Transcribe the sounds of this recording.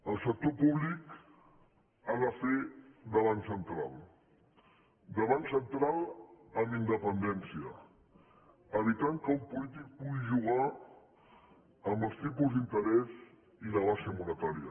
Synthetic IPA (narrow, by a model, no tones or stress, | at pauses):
əlˠsək̚t̪opuβlik | aðəfed̪əβ̞ansənt̪ɾa̰lˠ | d̪əβansənt̪ɾalˠəmind̪əpənd̪ɛnsiə | əβit̪aŋkəulpulit̪ik̚puɣiʒuɣ̞a | əmbəlˠst̪ipuzd̪int̪əɾɛz | iləβasemuɾət̪aɾiə̰